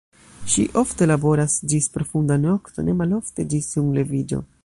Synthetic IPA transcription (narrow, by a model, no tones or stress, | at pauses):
ʃiʔo̞fte̞labo̞ɾasd͡ʒispɾo̞fundano̞kto̞̰ne̞malo̞fte̞d͡ʒisuŋle̞vid͡ʒo̞̰